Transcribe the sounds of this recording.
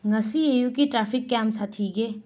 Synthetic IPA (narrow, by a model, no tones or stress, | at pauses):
ŋɐsiejukiʈɾapʰikːamsat̪ʰiɡe